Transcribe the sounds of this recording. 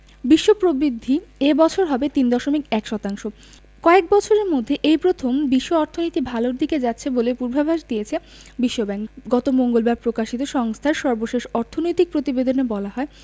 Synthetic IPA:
biʃːopɾobɾid̪ʱːiebɔt͡ɕʰoɾɦɔbet̪ind̪ɔʃomikɛkʃɔt̪aŋʃo | kɔek̚bɔt͡ɕʰoɾeɾmod̪ʱːeʔejpɾot̪ʰombiʃːoɔɾt̪ʰonojt̪ibʱaloɾd̪ʱiked͡ʑatːɕʰebolepuɾbʱabʱaʃd̪iet͡ɕʰe | biʃːobɛŋɡɔt̪omoŋɡolbaɾpɾokaʃit̪oʃɔŋst̪ʰaɾʃɔɾboʃeʃɔɾt̪ʰonojt̪ik̚pɾot̪ibed̪onebɔlaɦɔe

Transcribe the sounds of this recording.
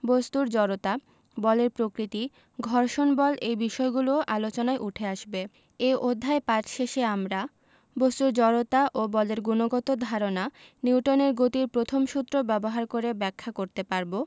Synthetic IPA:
bost̪uɾd͡ʑɔɾot̪a | bɔleɾpɾokɾit̪i | ɡʱɔɾʃonbɔlʔejbiʃɔeɡuloʔalot͡ɕonaeʔuʈʰeaʃbe | eʔod̪ʱːaepat̪ʃeʃeamɾa | bost̪uɾd͡ʑɔɾot̪aʔobɔleɾɡunoɡɔt̪od̪ʱaɾonaniwʈoneɾɡot̪iɾpɾot̪ʰomʃut̪ːɾobɛboɦaɾkoɾebɛkʰːakoɾt̪epaɾbo

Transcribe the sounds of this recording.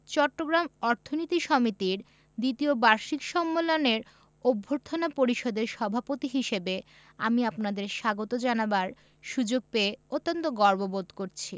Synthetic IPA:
t͡ɕɔʈːoɡɾamɔɾt̪ʰonit̪iʃɔmit̪iɾ | d̪it̪iobaɾʃikʃɔmːoloneɾ | obʱːoɾt̪ʰonapoɾiʃod̪eɾʃɔbʱapot̪iɦiʃebe | a̰miapnad̪eɾʃaɡot̪od͡ʑanabaɾ | ʃud͡ʑoɡ̚peeot̪ːont̪oɡɔɾbobod̪koɾt͡ɕʰi

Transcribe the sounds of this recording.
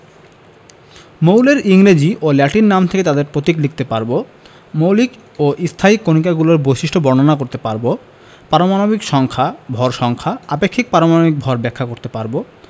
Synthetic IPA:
mowleɾiŋɾed͡ʑiʔolɛʈinnamt̪ʰeket̪ad̪eɾpɾot̪iklik̚t̪epaɾbo | mowlik | oʔist̪ʰaikːonik̬aɡuloɾbojʃiʃʈʰobɔɾnonakoɾt̪epaɾbo | paɾomanobikʃɔŋkʰabʱɔɾʃɔŋkʰaapekʰːik̚paɾomanobik̚bʱɔɾbɛkʰːakoɾt̪epaɾbo

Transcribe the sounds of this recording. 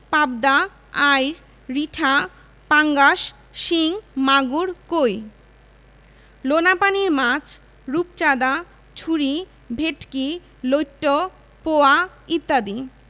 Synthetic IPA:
pab̚d̪a | ajɾ | ɾiʈʰa | paŋɡaʃ | ʃiŋmaɡuɾkoj | lonapaniɾmãt͡ɕ | ɾupt͡ɕad̪a | t͡ɕʰuɾi | bʱeʈki | lojʈːo | poa | it̪ːad̪i

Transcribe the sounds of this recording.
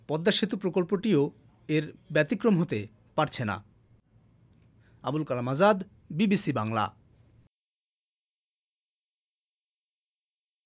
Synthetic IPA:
pɔd̪ːaʃit̪upɾokolpoʈio | eɾbɛt̪ikɾomɦot̪e | paɾt͡ɕʰena̰ | a̰bulkalamad͡ʑad̪ | bibisibaŋla̰

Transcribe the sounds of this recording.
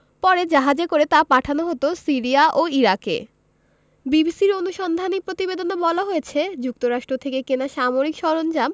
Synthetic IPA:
pɔɾed͡ʑaɦad͡ʑekoɾet̪apaʈʰanoɦot̪osiɾiaʔoiɾakḛ | bibisiɾonuʃɔnd̪ʱanipɾot̪ibed̪onabɔlaɦojet͡ɕʰed͡ʑuk̚t̪oɾaʃʈɾot̪ʰekekenaʃamoɾikʃɔɾond͡ʑam

